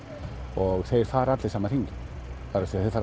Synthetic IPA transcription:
ɔɣθejɾ̥faːɾat̪lejsaːmaɾ̥iŋcɪ | pʰaːɾasiaθejɾfaːɾ

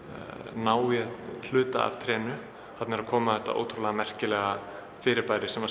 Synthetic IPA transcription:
naːwɛl̥ʏːt̪a̰a̰v̥t̪ʰɾɛːnʏ | hat̪nɛɾakʰɔːmaθɛht̪ːa̰ʔo̰ːwt̪ʰɾulɛɣamɛr̥cɪlɛːɣa | fɪːɾɪɾpajɾɪsɛma

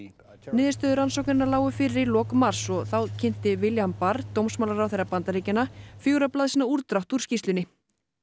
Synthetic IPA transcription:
nɪːðɪst̪œːðʏɾansɔwknɪɾɪnalaːwʏfɪɾɪɾilɔːkmar̥sɔɣθawcʰɪn̥t̪ɪvɪljanpaɾt̪owmsmawlaɾawθejrːapant̪aɾiːcɪnafjowɾaplaðsiːnːauɾt̪ɾawht̪uɾ̥scist̪lʏnɪ

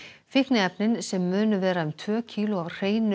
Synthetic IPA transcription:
fɪhknɪɛpnɪnsɛmːʏːnʏvɛːɾaʏmt̪ʰvœːcʰiːlʊavr̥eːjnʏ

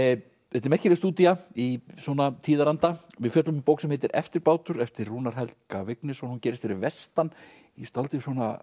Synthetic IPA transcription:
ɛt̪ɪɾmɛhcɪɛɾɪst̪uːt̪iaiswɔːnat̪ʰiːðaɾant̪a | vɪðfjœt̪lʏmpowksɛmhɛːt̪ɪɾɛ̰ft̪ɪɾpaːwt̪ʏɾɛft̪ɪrːuːnaɾ̥ɦɛlkavɪknɪsɔnhuncɛːɾɪst̪fɪɾɪvɛst̪an | ist̪alt̪ɪswɔːna̰

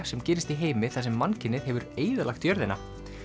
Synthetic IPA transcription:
sɛmcɛːɾɪst̪iɦeːjmɪθas̬ɛmːancɪnːɪðɦɛvʏɾeːjðɪla̰xt̪jœɾðɪna

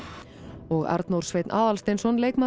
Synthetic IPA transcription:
ɔɣa̰ɾt̪nowɾ̥r̥svejt̪nʔaːðalst̪ejnsɔnleːjkma

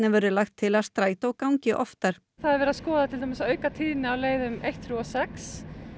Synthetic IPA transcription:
nɛvœɾʏlaxt̪ʰːɪlaðst̪ɾaːjt̪aɔɣkawɲcɪʔɔft̪aɾ̥ | θaðaɾvɛːɾaskɔːðat̪ʰɪlamɪsœːɥkat̪ʰiːðɪnɪawleːjðʏmejht̪θɾuɔsɛks

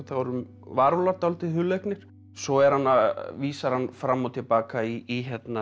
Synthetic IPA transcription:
θavɔɾʏm | vaɾlaɾt̪awlt̪ɪðɦʏlejknɪɾ̥ | sɔɛɾ̥hanːaðviːsaɾhanːfɾamːawt̪ʰɪlpaːkaiːɦɛt̪na

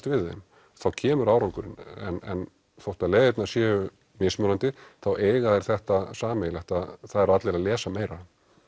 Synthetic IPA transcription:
t̪vɪðḛm | θawcʰɛːmʏɾawɾaŋkʏɾɪ̰nɛ̰nɛ̰n | θowht̪aleːjvɪt̪nasjɛːʏ | mɪsmœɾant̪ɪθawʔeːjɣaðɛɾ̥θɛht̪asaːmɛlɛht̪aðθaðɛɾat̪lɛɾalɛːsameːjɾa

